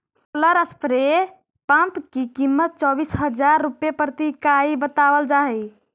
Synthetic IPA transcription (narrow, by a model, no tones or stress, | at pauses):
oləɾəspɾe | pãmpkikimːət̪̚t͡ʃɔbisɦəd͡ʒaɾːupjepɾt̪ikaibət̪abəld͡ʒaɦɛj